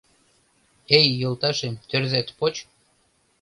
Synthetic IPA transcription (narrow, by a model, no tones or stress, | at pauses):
ejːɤ̆lt̪ɑʃemt̪ørðæt̪pot͡ɕ